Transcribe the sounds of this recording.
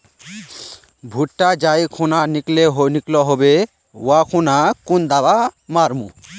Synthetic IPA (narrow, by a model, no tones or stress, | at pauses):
bʱuʈʈad͡ʒajkʰunanikleɦoniklɔɦobe | wakʰunakund̪abamaɾmṵ